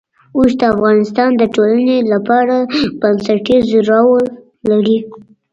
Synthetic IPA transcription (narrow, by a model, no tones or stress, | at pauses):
usd̪əafɣɑnɪst̪ɑnd̪əʈolanelapɑɾab̥ansaʈizɾɑwə | laɾi